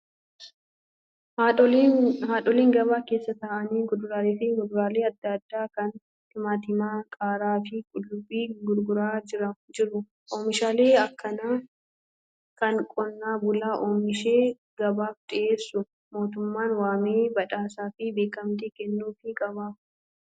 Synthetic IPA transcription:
haːᶑɔliːŋɡɐβaːke̞ːsːɐt̪aːʔɐniːɡʊd̪ʊɾaːleːfɪɡʊd̪ʊɾaːleːɐd̪ːɐɐd̪ːaːkɐn | hɪmaːt̪ɪmaːkʼaːɾaːfɪkʼʊlːʊbiːɡʊɾɡʊɾaːɪɾɐd͡ʒɪɾʊ | ʔoːmɪʃaːleːɐkʰːɐnaː | kɐnkʼɔnːaːbʊlaːʔoːmɪʃeː | ɡ̥ɐbaːft̪ʼɪʔeːsːʊ | mo̞ːt̪ʊmːaːnwaːmeːbɐᶑaːsaːfɪbe̞ːkɐmt̪eːkɛnːuːfɪkʼɐbɐ

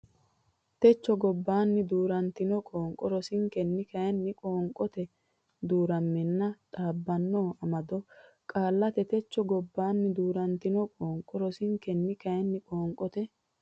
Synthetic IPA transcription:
t̪ɛt͡ʃːɔɡɔbːaːnːɪd̪uːɾɐnt̪ɪnɔkʼoːŋkʼːɔɾɔsɪŋkɛnːɪkɐjɛnːɪkʼoːŋkʼːɔt̪ɛ | d̪uːɾɐmːɛnːɐt̪ʼaːbːɐnːoːɐmɐd̪ɔ | kʼaːlːɐt̪ɛt̪ɛt͡ʃːɔɡɔbːaːnːɪd̪uːɾɐnt̪ɪnɔkʼoːŋkʼːɔɾɔsɪŋkɛnːɪkɐjɛnːɪkʼoːŋkʼɔt̪ɛ

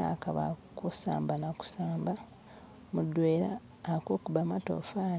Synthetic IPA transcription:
a̰kaβa̰kusa̰ːmbanaku̥saːmba | mudːweːɾaː | koːkuβamato̰fa

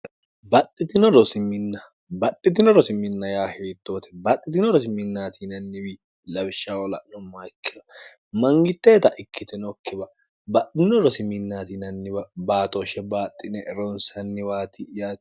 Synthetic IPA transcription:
bɐt̪ʼːɪt̪ɪnɔɾɔsɪmːɪnːɐ | bɐt̪ʼːɪt̪̬ɪnɔɾɔsɪmːɪnːɐjaːheːt̪ːo̞ːt̪ɛ̥bɐt̪ʼːɪt̪ɪnɔɾɔsɪmːɪnːaːt̪ʰinɐnːɪbi | lɐbɪʃːawɔlɐ̰nɔmːaːɪkːɪdɐ | mɐŋɡɪt̪ːeːt̪ɐʔɪkːɪt̪ɛnɔkːɪbɐ | bɐt̪ʼːɪnɔɾɔsɪmːɪnːaːt̪inɐnːɪbɐbaːt̪oʃɛbaːt̪ʼːɪnɛɾɔnsɐnːɪβaːt̪ɪjaː

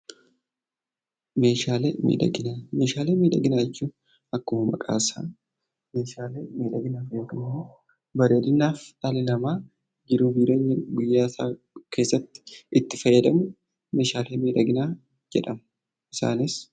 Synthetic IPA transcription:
me̞ːʃaːlḛːmḭːᶑɐ̰ɡɪnaːmeːʃaːleːmiːᶑɐɡɪnaːɛt͡ʃːuː | ɐkːʊmmɐ̰kʼa̰ːsa̰ː | me̞ːʃaːleːmiːᶑɐɡɪnaːfjoːkɪmːoː | bɐɾeːd̪ɪnːaːfɐlɪlɐmaː | d͡ʒɪɾuːbiːɾeːɲːɐɡʊjːaːsa̰ː | ke̞ːsːɐt̪ːɪ̥ɪt̪ːɪfɐjːɐd̪ɐmʊ | me̞ːʃaːleːmiːᶑ̪ɐɡɪnaː | d͡ʒɛ̰ᶑɐmɐ̥ | ʔɪsa̰ːnɪs

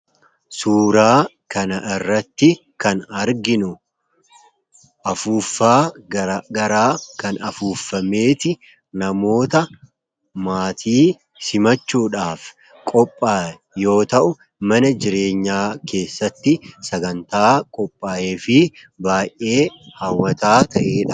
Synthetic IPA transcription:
suːɾaː | kɐnɐʔɪrːɐt̪ːɪ | kɐnɐɾɡɪnʊ | ʔɐfuːfːaːɡɐɾaːkɐnɐfuːfːɐme̞ːt̪ɪ | nɐmo̞ːt̪ɐ | maːt̪ʰiː | sɪmɐt͡ʃːuːᶑaːf | kʼɔpʼːaː | jo̞ːt̪ɐʔʊ | mɐnɐd͡ʒɪɾe̞ːɲːaːkʰe̞ːsːɐt̪ːɪsɐɡɐnt̪aːkʼɔpʼːaːje̞ːfɪ | baːjʔe̞ːhɐwːɐt̪aːt̪ɐʔe̞ːᶑɐ

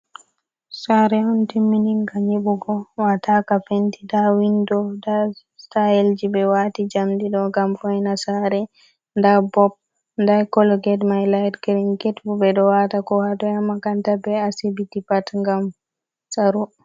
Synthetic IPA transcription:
saɾɛɔntimːiniŋkaɲiɓuɡɔwatakafentidawindɔda | stajɛld͡ʒibɛwatid͡ʒamdiɗɔŋɡamfɔjnasaɾɛ | ndabɔb̚ | ndakɔlɔɡɛdmajlajdɡɾiŋɡetbubɛɗɔwatakɔhadɔjamːakantabɛasibitipatŋɡam | saɾu

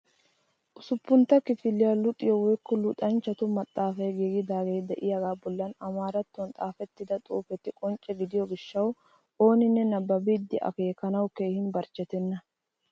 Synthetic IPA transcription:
ʔʊsʊpːʊnt̪ːɐkɪfɪlːɪjalʊkʼːɪjɔwɔjkːɔlʊᶑ̪ɐnt͡ʃːɐt̪ʊmɐt̪ʼːaːfɐjɡeːɡɪd̪aːɡeːd̪ɛʔɪjɐɡaːbɔlːɐnɐmaːɾɐt̪ːɔnt̪ʼaːfɛt̪ːɪd̪ɐt̪ʼṵːfɛt̪ːɪkʼɔnt͡ʃʼɛɡɪd̪ɪjɔɡɪʃːɐw | o̞ːnɪnːɛnɐbːɐbiːd̪ːɪʔɐ̰keːkːɐnɐwkeːhɪnbɐɾt͡ʃːɛt̪ɛnːɐ

